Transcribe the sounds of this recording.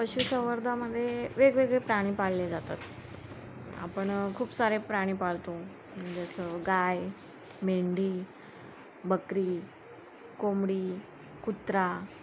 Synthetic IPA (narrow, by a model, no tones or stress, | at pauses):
pəɕusəʋəɾd̪ʱaməd̪ʱːjeʋeɡʋeɡɭepɾaɽ̃iːpalːed͡zat̪a̰t̪ | a̰pəɳkʰuːpsaɾepɾaɽ̃iːpaɭt̪õ | d͡zəsəɡaj | meɳɖiː | bəkɾiː | komɽiː | kut̪ɾa